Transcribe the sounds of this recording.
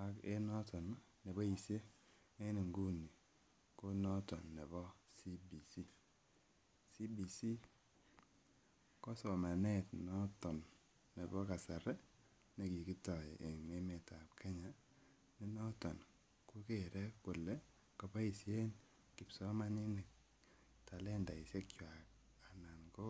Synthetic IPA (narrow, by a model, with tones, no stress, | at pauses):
a˨ke˦nɔ˦tɔ˨n˦ | ne˨bɔ˦i˨sje˦ | me˦ni˨ŋɡu˦ni˨ | ko˦nɔ˦tɔ˨nːɛ˨bɔ˦si˦bi˨si˦ | si˦bi˨si˦ | kɔ˦sɔ˨ma˨nɛ˦tnɔ˦tɔ˨nː | e˨bɔ˦ka˨sɛ˨ɾɛ˦ | ne˨ki˨ki˦tɔ˨ʔe˨ŋe˦me˨ta˨p̚kʰe˦ɲa˨ | ni˦nɔ˦tɔ˨n | ku˦ke˨ɾɛ˦ku˨lɛ˦ | kɔ˨pa˦i˨sje˦n | ki˨psɔ˦ma˦ni˦ne˨ | ta˨lɛ˦nda˨i˨sje˦kt͡ʃwa˨k̚ | a˨na˨nko˦